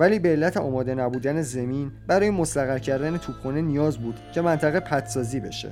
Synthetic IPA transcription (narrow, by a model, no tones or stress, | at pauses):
væliːbeːlːæt̪ʰeɒ̰ːmɒːd̪e̞næbuːd̪æne̞zemiːnbæɾɒːjemost̪æɣæɾcʰæɾd̪ænet̪ʰuːbχunenijɒːzbuːd̪̥cʰe̞mænt̪ʰæɣepʰæt̪ʰsɒːziːbe̞̰ʃḛ